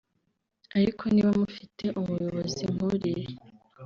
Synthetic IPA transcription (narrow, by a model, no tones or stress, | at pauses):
aɾikʰo̞niːβamufitʰe̞ʔumujo̞βo̞ziŋ̥uɾiɾe